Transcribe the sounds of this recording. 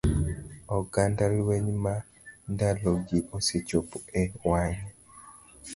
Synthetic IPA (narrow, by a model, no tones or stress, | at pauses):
ɔɡandaɾiweɲma | ndaloɡiʔoset͡ʃopoɛwaɲ